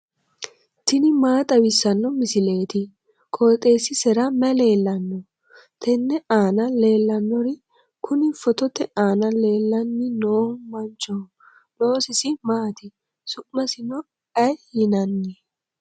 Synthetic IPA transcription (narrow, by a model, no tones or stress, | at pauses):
tɪnɪmaːt̪ʼɐwɪsːɐnːɔmɪsɪle̞ːt̪ɪ | kʰoːt̪ʼe̞ːsɪsɛɾɐmɛle̞ːlːɐnːɔ | t̪ʰɛnːɛaːnɐle̞ːlːɐnːɔɾɪ | kʰʊnɪfɔt̪ɔt̪ɛaːnɐle̞ːlːɐnːɪnoːmɐnt͡ʃɔ | lo̞ːsɪsɪmaːt̪ɪ | sʊʔmɐsɪnɔ | ɐjhɪnɐnːɛ